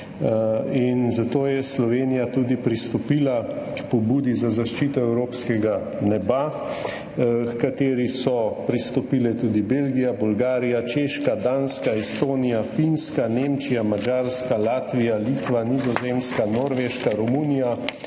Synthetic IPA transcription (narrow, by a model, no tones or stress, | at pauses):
inzat̪oːjɛslɔʋeːnijat̪uːd̪ipɾist̪ɔpiːlakpɔbuːd̪izazaʃt͡ʃiːt̪ɔɛwɾoːpskɛɡa | nɛba | kkat̪eːɾisɔpɾist̪ɔpiːlɛt̪uːd̪ibelɡijabulɡaːɾijat͡ʃeːʃkad̪anskaɛst̪oːnijafinskanemt͡ʃijamad͡ʒaɾskalaːt̪ʋijalit̪ʋanizɔzeːmskanoːɾʋeʃkaɾɔmuːnija